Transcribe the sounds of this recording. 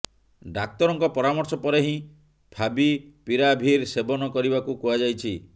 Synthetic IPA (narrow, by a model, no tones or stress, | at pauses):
ɖak̚t̪ɔɾɔŋkɔpɔɾamɔɾsɔpɔɾeɦĩ | pʰabipiɾabʱiɾsebɔnɔkɔɾibakukuad͡ʒajt͡ʃʰi